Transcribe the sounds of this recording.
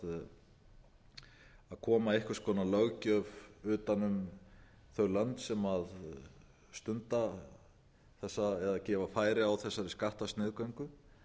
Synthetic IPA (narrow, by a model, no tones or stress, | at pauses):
aðkʰɔːmaehkʏɾ̥skʰɔːnalœɣcœvʏːt̪anʏm | θœɥlœnt̪sɛmað | st̪ʏnt̪a | θɛsːaɛðacɛːvafaːjɾɪawθɛsːaɾɪskaht̪ast̪nɪːðkœŋkʏ